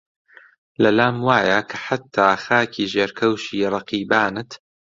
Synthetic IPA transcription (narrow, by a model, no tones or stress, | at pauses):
lɐlaːmwaːjakʰɐħat̪ʰːaːxaːkʰiːʒeːɾkʰɐwʃiːɾˤɑqiːbaːnɨt̪